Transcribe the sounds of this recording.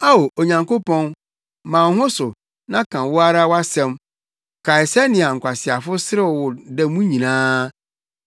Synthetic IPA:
a˦o˨ʔo˨ɲã˨ŋko˦pɔ̃˦n | mã˨n˦ɦʊ̃˦sʊ˨ | nã˦kʰã˨wʊ˦a˦ɾa˦wa˦sɛ̃˦m | kʰa˨ɪ˨sa˦nɪ̃˨a˨ŋ̩˨kʷʰa˨sɪ˨a˨fʊ˦sɪ˦ɾɪ˦˨wʊ˨dɛ˦˨mũ˦ɲĩ˨nãː˦

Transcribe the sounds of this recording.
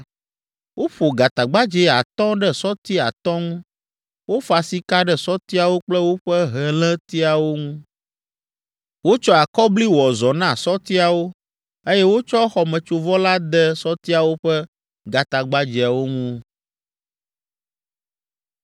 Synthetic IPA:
wʔo˦ɸo˨ɡa˨t̪a˨ɡ͡ba˦d͡ʒɛ˦˨a˨t̪ɔ̃˦ɖɛ˦sɔ˦t̪i˦a˨t̪ɔ̃˦ŋũ˦ | wo˦fa˨si˦ka˦ɖɛ˦˨sɔ˦t̪i˦a˨wo˦k͡plɛ˦wo˦ɸɛ˦ɦɛ˨lɛ̃˦t̪i˦a˨wo˦ŋũ˦ | wo˦t͡ʃɔ˦a˨kɔ˦bli˦wɔ˨zɔ˨nã˦˨sɔ˦t̪i˦a˨wo˦ | e˦jɛ˦wo˦t͡ʃɔ˦xɔ˨mɛ̃˨t͡ʃo˨vɔ˦la˦d̪ɛ˦sɔ˦t̪i˦a˨wo˦ɸɛ˦ | ɡa˨t̪a˨ɡ͡ba˦d͡ʒi˨a˨wo˦ŋũ˦

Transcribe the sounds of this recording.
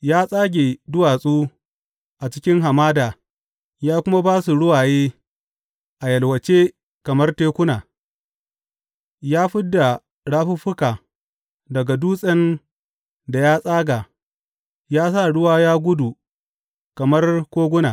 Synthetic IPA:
jaː˦sʼaː˦ɡʲe˨dʊ˦waː˨sʼuː˦ | ʔa˨t͡ʃɪ̥˦kʲɪ˦ŋɦa˨maː˦daː˨ | jaː˦kʷʊ˦ma˦baː˦su˨ɽʊ˦waː˨jeː˦ | ʔa˨jɐ˨lwɐ˨t͡ʃeː˦ | kɐ˨mɐ˦rteː˦kʷʊ˦naː˨ | jaː˦ɸɪ˦dːa˨ | ɽaː˦ɸʊ˦ɸʊ˦kaː˨ | dɐ˨ɡa˨duː˦sʼɐ˦n | da˨jaː˦sʼaː˦ɡaː˨ | jaː˦sa˦˨ɽʊ˦waː˦jaː˦ɡʷʊ˦du˨ | kɐ˨mɐ˦rkʷoː˦ɡʷʊ˦naː˨

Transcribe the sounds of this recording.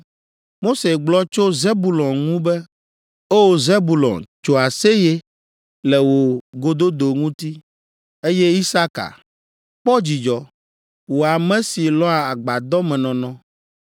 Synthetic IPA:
mo˦se˨ɡ͡blɔ˦t͡ʃo˦ze˦bu˨lɔ̃˨nŋũ˦bɛ˦ | o˦wo˨ze˦bu˨lɔ̰̃˨nt͡ʃo˦a˨se˦je˦ | lɛ˨wo˨ɡo˦d̪o˦d̪o˨ŋũ˦t̪i˦ | e˦jɛ˦i˦sa˦ka̰˨ | k͡pɔ˦d͡ʑi˨d͡ʒɔ˨ | wo˨a˨mɛ̃˦si˨lɔ̃˦a˨a˨ɡ͡ba˨d̪ɔ˦mɛ̃˨nɔ̃˨nɔ̃˦

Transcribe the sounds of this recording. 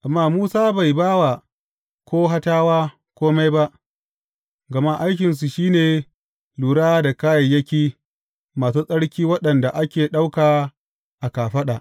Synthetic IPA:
ʔa˨mːaː˦˨muː˦saː˦ba˨jbaː˦wa˨ | kʷoː˦ɦa˦taː˦waː˦ | kʷoː˦ma˦jba˦ʔ | ɡɐ˨ma˦ʔa˦jkʲɪ˨ns̬u˨ʃiː˦neː˨ | luː˨ɽaː˦da˨kaː˦jɐ˨jːɐ˦kʲiː˦ | maː˨s̬uː˦sʼɐ˦ɽkʲiː˦wɐ˦ɗɐ˨nda˨ʔa˦kʲeː˨ɗa˦wkaː˨ | ʔa˨kaː˨ɸɐ˦ɗa˨ʔ

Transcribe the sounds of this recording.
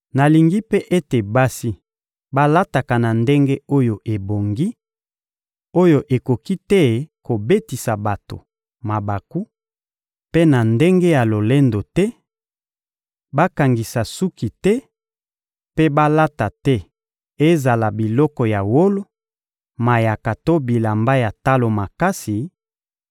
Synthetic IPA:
na˨li˨ŋɡi˦pe˦ʔe˦te˨ba˦si˦ | ba˦la˦ta˨ka˨na˨nde˦ŋɡe˦o˦jo˨ʔe˨bo˨ŋɡi˦ | o˦jo˨ʔe˨ko˨ki˦tɛ˦ko˨be˦ti˨sa˨ba˨to̰˨ | ma˨ba˨ku˦ | pe˦na˨nde˦ŋɡe˦ja˨lo˨le˦ndo˨tɛ˦ | ba˦ka˨ŋɡi˨sa˨su˦ki˨tɛ˦ | pe˦ba˦la˦ta˨tɛ˦ | e˦za˨la˨bi˨lɔ˦kɔ˨ja˨wo˦lo˦ | ma˨ja˨ka˨to˦bi˨la˨mba˦ja˨ta˦lo˨ma˨ka˦si˨

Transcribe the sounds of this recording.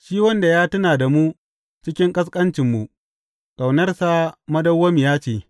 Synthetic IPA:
ʃiː˦wɐ˦nda˨jaː˦tɐ˦naː˨da˨mu˦ | t͡ʃɪ˦kʲɪ˦ŋkʼɐ˦s̬kʼɐ˦nt͡ʃɪ˨mːu˨ | kʼa˨wnɐ˦rsa˦mɐ˦dɐ˦wːɐ˦mi˨jaː˦t͡ʃeː˨

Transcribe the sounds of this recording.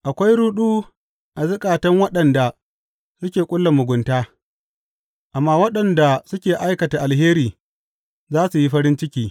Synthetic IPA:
ʔa˨kʷa˦jɾuː˦ɗuː˦ | ʔa˨zʊ˦kʼaː˨tɐ˦ŋwɐ˦ɗɐ˨nda˨ | sʊ˦kʲeː˨kʷʼʊ˦lːa˨mʊ˨ɡʷʊ˨ntaː˦ | ʔa˨mːaː˦wɐ˦ɗɐ˨nda˨sʊ˦kʲeː˨ʔa˦jkɐ˨ta˨ʔa˨lɦeː˦ɾiː˨ | zaː˦su˨ji˦ɸɐ˦ɾɪ˦nt͡ʃɪ˦kʲiː˦

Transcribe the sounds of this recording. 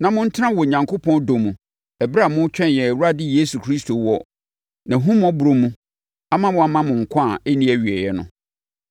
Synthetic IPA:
nã˨mʊ̃˦n̩˦tʰã˦wɔ˨ɲã˨ŋkʰo˦pʰɔ̃˦ndo˨mũ˨ | ɛ˨bɾa˦˨mʊ̃˦t͡ɕᶣɛ̃˦njɛ˨wu˦ɾa˦dɪ˦je˦su˨kʰɾi˦stʰo˨wɔ˦ | nã˨ɦũ˦m˦ɔ˦bu˨ɾo˦mũ˦ | a˦mã˦wɔ̃˨˦a˦mã˦mʊ̃˨ŋ̩˨kʷʰã˦˨ɛ˦nĩ˦æ˨ɥi˨ɛ˨jɛ˦nʊ̰̃˨

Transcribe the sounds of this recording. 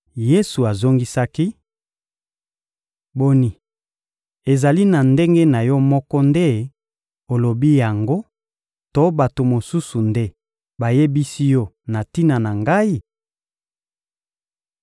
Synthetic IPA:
je˦su˨a˨zo˦ŋɡi˦sa˦ki˦ | bo˦ni˨ | e˨za˨li˦na˨nde˦ŋɡe˦na˨jɔ˦mɔ˦kɔ˦nde˦ | o˨lo˨bi˦ja˨ŋɡo˦ | to˦ba˨to˨mo˨su˦su˨nde˦ | ba˨je˦bi˦si˦jɔ˦ | na˨ti˦na˨na˨ŋɡa˦i˦

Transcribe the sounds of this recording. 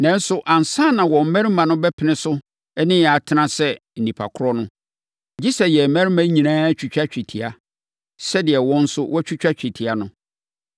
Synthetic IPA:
nã˦n̩˦sʊ˦ʔã˨n˨sã˦˨nã˨wɔ̃˨m̩˦mæ̃˦ɾi˦mã˨nʊ̃˦bɛ˦pʰɪ˨nɪ̃˦sʊ˦ | ɛ˦nɪ̃˦˨a˨tʰɪ˦nã˦sɛ˦ | n̩˨nĩ˨pʰa̰˨kʰʊ˦ɾɔ˦nʊ̃˦ | d͡ʑi˦sɛ˨jɛ˨mæ̃˦ɾi˦mã˦ɲĩ˨nãː˦t͡ɕʰᶣu˨t͡ɕᶣa˦t͡ɕᶣi˨tʰi˨a˨ | sɛ˦dɪ˨ɛ˨wɔ̃˦n̩˦sʊ˦wʔɔ˦t͡ɕʰᶣu˦t͡ɕᶣa˦t͡ɕᶣi˨tʰi˨a˨nʊ̃˦

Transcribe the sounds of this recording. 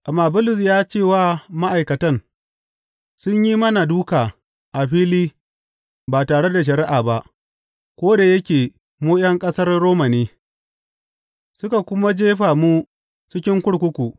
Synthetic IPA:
ʔa˨mːaː˨bʊ˦lʊ˨s̬jaː˦t͡ʃeː˦˨waː˦ma˦ʔa˨jkɐ˨tɐ˦n | sʊ˦ɲji˦mɐ˦na˨duː˦kaː˨ | ʔa˨ɸiː˦liː˦ | baː˨taː˨ɽe˦da˨ʃ̬ɐ˨ɾɪ˦ʔaː˨ba˦ʔ | kʷoː˦da˨jɐ˦kʲeː˨ | moː˦jɐ˦ŋkʼɐ˦sɐ˦rɽoː˦mɐ˨niː˦ | sʊ˦ka˨kʷʊ˦ma˦d͡ʒeː˦ɸaː˨muː˦ | t͡ʃɪ˦kʲɪ˦ŋkʷʊ˦ɽkʷʊ˦kʷu˨ʔ

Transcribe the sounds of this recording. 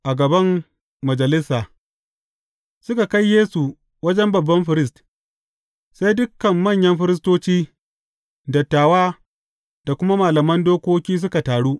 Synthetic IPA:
ʔa˨ɡɐ˨bɐ˦mː | ɐ˨d͡ʒɐ˨lɪ˦sːaː˨ | sʊ˦ka˨ka˦jjeː˦su˨ | wɐ˦d͡ʒɛ˦mbɐ˨bːɐ˦mɸɪ˨ɾɪ˦st | sa˦jdʊ˦kːɐ˨mːɐ˦˨ɲjɐ˦mɸɪ˦ɾɪ˦stoː˦t͡ʃiː˦ | dɐ˨tːaː˨waː˦ | d̥a˨kʷʊ˦ma˦maː˨lɐ˨mɐ˦ndoː˦kʷoː˦kʲiː˦s̬ʊ˦ka˨taː˨ɽuː˦ʔ

